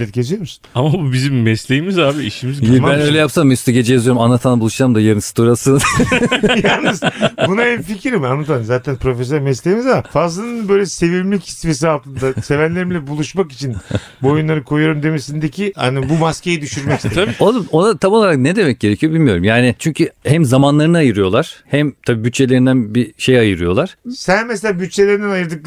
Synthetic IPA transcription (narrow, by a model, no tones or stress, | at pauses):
ɛt̪ɟʰe̞sijo̞ɾmusunamabubizimːɛslʲe̞jimizaːbiiʃimizimbænøjlʲɛjapsanmjust̪ɛɟe̞d͡ʒɛjazyjoumanːat̪ʰanabulˠuʃamd̪ajaɾɯnsɯ̥t̪oɾasɯn | jalˠnɯzbunaɛnficʰiɾimanːat̪anzaːt̪ʰænpʰɾo̞fes̬øɾmɛslʲe̞jimizamafazlˠanɯnbø̞jlʲɛse̞vilmci̥sfes̬ialˠt̪ʰɯnd̪ase̞vænlʲe̞ɾimlʲɛbulˠuʃmaki̥t͡ʃʰin | buojunlˠaɾɯkʰo̞jujoɾumd̪e̞mesind̪ecʰia̰nibumasce̞jid̪yʃyɾmɛcist̪eoonat̪ʰamo̞lˠaɾak̚ned̪emɛc̚ɟe̞ɾecʰijo̞bilʲmijo̞ɾumjaːnɪt͡ʃʰyɲcʰyhæmzamanlˠaɾɯnɯajɯɾɯjo̞lˠaɾ̥hæmt̪ʰabiːbyt̪t͡ʃʰe̞lʲe̞ɾind̪ænbiʃejajɯɾɯjo̞lˠaɾ̥sænmɛs̬elʲaːbyt̪̚t͡ʃʰːelʲeɾinɛnajɯɾd̪ɯk̚